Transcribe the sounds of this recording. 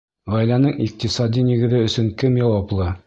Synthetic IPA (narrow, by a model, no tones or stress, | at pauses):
ʁɒjlænɤɴiq̚t̪isɑd̪inĭɡɘ̆ðɘɵ̆sɵŋkɘmjɒwɑplˠɤ